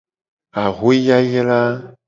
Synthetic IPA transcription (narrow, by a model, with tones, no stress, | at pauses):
a˨ɣo˦ja˦jɛ˦la˦